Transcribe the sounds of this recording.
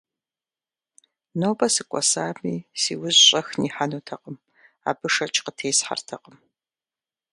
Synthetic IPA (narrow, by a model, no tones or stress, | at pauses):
noːwbɐsɨkʷʼɔ̰saːmiːsiːwʊzɕʼɐxniːħanutʰɐqʼəm | a̰ːbɨʂɐt͡ʃʼqətʰeːsħa̰rtʰɐqʼəm